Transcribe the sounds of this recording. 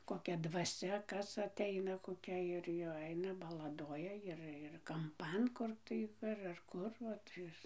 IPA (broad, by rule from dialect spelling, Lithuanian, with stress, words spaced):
koːˈkʲɛ dʋɐˈsʲɛ ˈkɐs ɐtʲˈɛɪnɐ koːˈkʲɛ ɪr jɛʊ ˈɛɪnɐ bɐlˠɐˈdoːjɛ ˈɪr ɪr kɐmˈpɐn ˈkʊr tɐɪ ɐr ɐr ˈkʊr ʋɐt ˈɪs